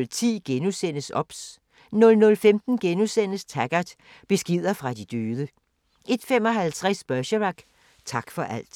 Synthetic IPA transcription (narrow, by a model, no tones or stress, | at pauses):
lt͡sʰḭːɡ̥enusen̰əsɒ̽b̥s | nɔ̽lnɔ̽lfemd̥n̩ɡ̥enusen̰əst͡sʰæɡ̥ɐd̥b̥e̝sɡ̥ið̰ˠɐfʁɑ̈d̥id̥øːðˠə | ʔe̝d̥fem̰ɒ̽ɦælt͡sʰʁasb̥ɶɕəʁɑɡ̥ | t͡sʰɑ̈ɡ̥fɒ̽ʔæl̰d̥